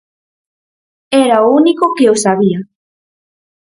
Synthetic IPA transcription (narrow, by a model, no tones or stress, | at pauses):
eɾaounikokeosaβ̞ia